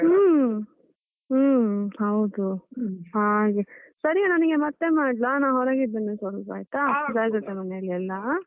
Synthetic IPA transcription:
ɯː | hɐwd̪uɦaːɡesɐɾianɐniɡemɐt̪ːemaːɖlanaːɦoɾaːɡid̪ːɐnːusɐɾupaːjt̪ad͡ʒaːɡɐt̪ːemɐnelːiɛlːɐ

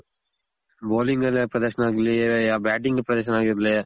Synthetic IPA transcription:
boːlɪŋɡɐlpɾɐd̪ɐɾʃɐnaːɣɪlːɐjɐjaːbaːʈ̬ɪŋɡɐpɾɐd̪ɐɾʃ̬ɐnaːɣɪɾɐd̪ɪlːɐja

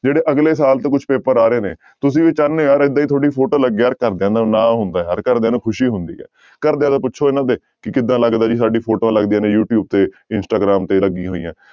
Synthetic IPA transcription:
d͡ʒeːɽeːʔəɡleːs̬aːlt̪eːkʊt͡ʃʰpeːpəɾaːɾeːneː | t̪ʊsĩːʋiːt͡ʃanẽːjaːɾɪd̪ːaːit̪ʰoːɽiːpʰoːʈoːləɡːjaːɾkəɾd̪ẽːd̪aːnãːɦʊnd̪aːja̰ːɾkəɾd̪eaːnũːkʰʊʃiːɦʊnd̪ḭːɛ̰ː | kəɾd̪eãːt̪aːpʊtːʃʰoːɪnãːd̪eː | kɪkɪd̪ãːləɡd̪aːd͡ʒiːs̬aːɖiːpʰoːʈoːãːləɡd̪iãːnẽːjuːʈjuːb̚t̪eː | ɪnsʈaːɡɾaːmt̪eːləɡĩːɦoːḭːã̰ː

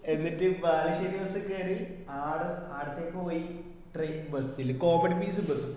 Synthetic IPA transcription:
e̞nːitːɨʋaːliɕɐɾiʋɐsɐkːeːɾilaːɽɐaːɽɨt̪ːeːkʲːepoːji | ʈrejbɐsilko̞ːmɐɽpiːsɨbɐsɨ

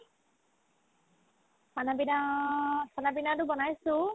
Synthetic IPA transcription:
panabina | sanabinadubɔnajsu

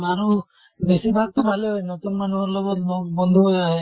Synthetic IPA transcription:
maɾu | besibʱaɡ̚t̪ɔbʱaleɔjnɔt̪ɔmmanuɦɔɾlɔɡɔt̪lɔk̚bɔnd̪ʱuɦɔjaɦɛ

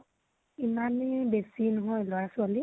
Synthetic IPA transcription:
imanbesinɔɦɔjlɔɹasʊali

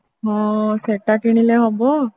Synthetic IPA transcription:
ɔsɛtakinilɛɦɔbɔ

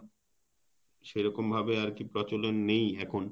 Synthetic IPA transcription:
ʃejɾɔkombʱabeaɾkipɾɔt͡ɕolennejɛkʰon

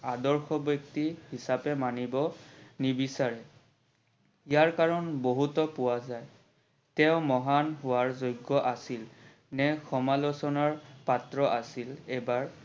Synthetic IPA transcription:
adɔɹxɔbɔk̚tihisapɛmanibɔnibisaɹɛ | ijaɹkaɹɔnboɦutɔpʊwazaj | tɛʊmɔɦanɦʊwaɹzojɡːɔʔasil | nɛxɔmalɔsɔnaɹpatɹɔʔasilɛbaɹ

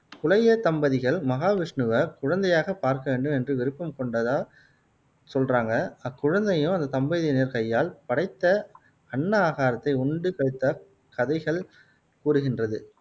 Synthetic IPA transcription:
kʊlɐjɐt̪ɐmbɐðɪɣɐɭmɐɣaːʋɪʂɳɯʋɐkʊɻɐnd̪ɐjaːɣɐpaːɾkɐʋeːɳɖɯmɛndrɯʋɪɾɯpːɐmkɔɳɖɐðaː | sɔlraːŋɡɐɐkːʊɻɐnd̪ɐjɯmɐnd̪ɐt̪ɐmbɐðɪneːɾkɐjːaːlpɐɽɐɪt̪ːɐ | ɐɳːɐaːɣaːɾɐt̪ːɐɪʊɳɖɯkɐɻɯt̪ːɐ | kɐðɐɪɣɐɭ | kuːɾɯɣɪndrɐðɯ

